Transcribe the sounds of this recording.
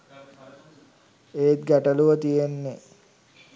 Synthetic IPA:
et̪̚ɡæʈəluʋət̪ijenːe

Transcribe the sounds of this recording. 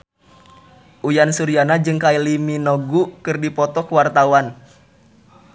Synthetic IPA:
ʔujansuɾianad͡ʒɨŋkailiminɔɡukɨrdipɔt̪ɔkwart̪awan

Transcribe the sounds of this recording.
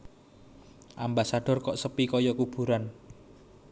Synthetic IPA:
ʔambasaɖ̥ɔ̤rkɔʔsəpikɔjɔkub̥ṳɾan

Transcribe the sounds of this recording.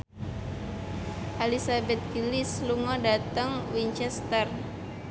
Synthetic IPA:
ʔalisabɛt̪̚kilisluŋɔdat̪əŋwiɲt͡ʃɛst̪ər

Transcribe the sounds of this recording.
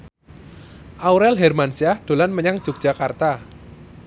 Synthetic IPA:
ʔauɾɛlɦɛrmansiahɖ̥o̤lanməɲaŋ̥d͡ʒ̥uk̚ʒ̥a̤kart̪a

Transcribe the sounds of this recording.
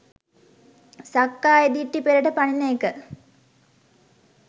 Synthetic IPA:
sakːaːed̪iʈːipeɾəʈəpaninəekə

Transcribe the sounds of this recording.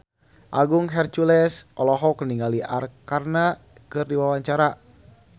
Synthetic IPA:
ʔaɡuŋɦɛrt͡ʃulɛsɔlɔɦɔkəniŋɡaliʔa̰rkarna | kɨrdiwawaɲt͡ʃaɾa

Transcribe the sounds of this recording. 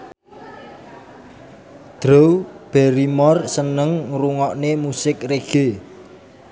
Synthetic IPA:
d̪̥ɾowb̥ɛɾimɔrsənəŋɾuŋɔʔnemusɪkreɡ̥e

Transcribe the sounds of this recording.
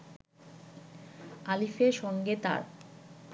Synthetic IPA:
alifeɾʃɔŋɡet̪a̰ɾp

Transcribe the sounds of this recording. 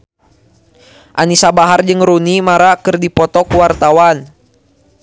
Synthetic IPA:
ʔanisabaɦard͡ʒɨŋɾunimaɾakɨrdipɔt̪ɔkuwart̪awan

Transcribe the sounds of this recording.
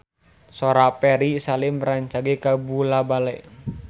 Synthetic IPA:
soɾapɛɾisalɪmɾaɲt͡ʃaɡekabulabalɛʔ

